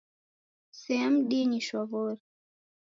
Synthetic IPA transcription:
sɛɛm̩ɗiɲiʃwavɔɾi

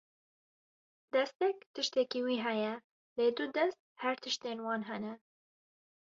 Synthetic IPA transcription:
d̪̥ɛst̪ɛkt̪ɨʃt̪ɛkiːwiːɦɛjɛ | leːd̪ud̪ɛst̪̚hæɾt̪ʰɨʃt̪eːnwɑːnɦɛnɛ

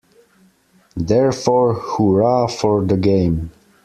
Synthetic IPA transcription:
ðɛɹfɔɹhuɹafɔɹðəɡẽɪ̃m

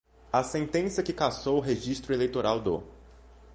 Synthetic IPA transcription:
ɐsẽnt̪ẽsjɐkɪkasowʊɦeʒist̪ɾʊelejt̪oɾawd̪o̰

